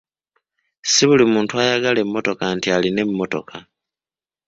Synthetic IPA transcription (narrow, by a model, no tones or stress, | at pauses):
siβulimuːntuajaɡale̞mːo̞to̞kantialine̞mːo̞to̞̰kʰa